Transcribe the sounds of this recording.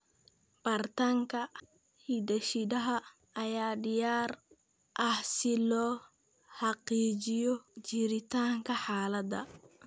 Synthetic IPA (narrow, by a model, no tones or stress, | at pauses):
bɐrt̪aŋkʰɐ | hid̪ɐʃɪd̪ɐɦɐ | ɐjaːɖɪjaːr | ʔɐhsɪlɔː | ħɑqiːt͡ʃɪjɔt͡ʃɪɾɪt̪ʰaːŋkʰɐħaːlɐd̪ɐ̰